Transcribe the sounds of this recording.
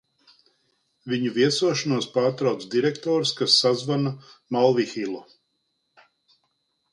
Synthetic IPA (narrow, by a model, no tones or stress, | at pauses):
viɲuviɛsuɔʃanuɔspaːɾt̪ɾawt̪sd̪iɾɛkt̪ɔːɾskasːazvanamalˠvixilˠɔ